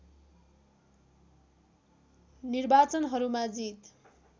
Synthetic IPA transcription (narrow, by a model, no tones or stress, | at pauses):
nirbat͡sʌnɦʌɾumad͡zit̪